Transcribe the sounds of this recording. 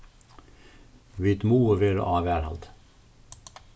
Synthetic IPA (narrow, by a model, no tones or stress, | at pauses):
ʋit̪muːəɾeːɾ̰ʔɑːʋæːɾhɑ̰lt̪